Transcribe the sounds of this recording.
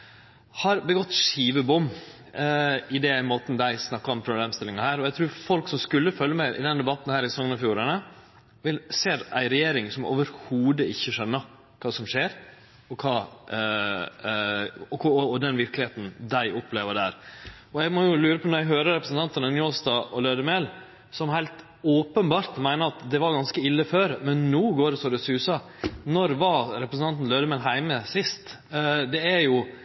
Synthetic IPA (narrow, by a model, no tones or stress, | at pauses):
hɑɾbəɡɔt̪ːʂiːʋəbʊmː | ɪd̪ɛmoːt̪nd̪æɪsnɑkːɑɔmpʰɾʊbleːmst̪ɪlɪŋɑhæːɾɔæɪt̪ʰɾʉːɾfɔlksɔmskʉlːəfœlːəmæɪʔɪ̰d̪ɛnd̪ɛbɑt̪ːn̩hæːɾɪsɔŋənɑfjuːɾənə | ʋɪlseːɾæ̰ɪɾɛjeːɾɪŋsɔmo̰ːʋəɾhuːd̪əɪçːəʂɛnːə | kʰɑːsɔmʂeːɾ | ɔkʰɑː | ɔkʊɔd̪ɛnʋɪɾklɪheːt̪n̩d̪æɪʔʊpleːʋəɖæːɾ | ɔæɡmɔjʊlʉːɾəpʰɔnɔɾæɪɦøːɾəɾɛpɾəsn̩t̪ɑnt̪ənənjoːst̪ɑːʔɔløːd̪əmeːl | sɔmhæɪlt̪ | oːpənbɑːɾt̪mæɪnəɾɑt̪d̪ɛʋɑɾɡɑnskəɪlːəføːɾmɛnːuːɡoːɾɖɛsɔd̪ɛsʉːsɑ | nɔɾʋɑɾɛpɾəsn̩t̪ɑnt̪n̩lœːd̪əmeːlɦæɪməsɪst̪ | d̪ɛæɾjʊ